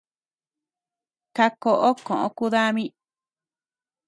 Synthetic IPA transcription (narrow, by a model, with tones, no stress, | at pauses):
ka˧ko˧ʔo˦kõ˨ʔõ˧ku˦ða˦mĩ˦